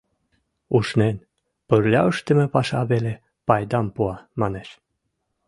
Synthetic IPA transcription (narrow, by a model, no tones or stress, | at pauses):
uʃnen | pərlʲɑəʃt̪ə̆mĕpɑʃɑβele | pɑjd̪ɑmpuɑmɑneʃ